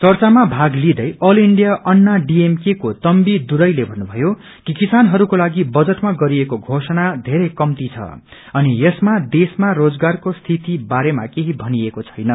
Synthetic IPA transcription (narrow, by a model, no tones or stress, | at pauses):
t͡sʌrt͡samabʱaɡlid̪ʌjʔʌliɳɖijaʔʌnːaɖiemkekot̪ʌmbid̪uɾʌjlebʱʌnːubʱʌjo | kikisanɦʌɾukolaɡibʌd͡zʌʈmaɡʌɾiekoɡʱosʌnad̪ʱeɾʌjkʌmt̪it͡sʰʌ̰ | ʌniesmad̪esmarod͡zɡarkost̪ʰit̪ibaɾema̰keɦibʱʌniekot͡sʰʌ̥jnʌ